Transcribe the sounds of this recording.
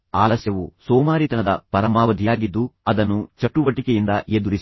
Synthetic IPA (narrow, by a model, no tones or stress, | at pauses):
aːlɐsjɐʋusɔːmaːɾit̪ɐnɐd̪ɐpɐɾɐmaːʋɐd̪ʱijaːɡid̪ːuɐd̪ɐnːut͡ʃɐʈːuʋɐʈikejind̪ɐed̪uɾis